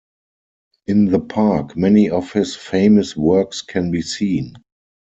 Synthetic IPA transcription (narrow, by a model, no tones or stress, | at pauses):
ʔɪ̃nðəpʰakmɛniɔfhɪsfeɪ̃məswɜ˞kskʰɛ̃nbiːsĩːn